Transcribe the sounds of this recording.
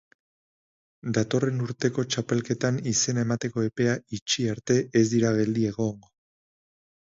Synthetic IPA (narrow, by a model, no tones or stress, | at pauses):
d̪at̪o̞re̞nuɾt̪e̞ko̞t͡ʃape̞lke̞t̪anise̞nae̞mat̪e̞ko̞e̞pe̞ait͡ʃiaɾt̪e̞ʔezd̪iɾaɣ̞e̞ld̪ie̞ɣo̞ŋɡo̞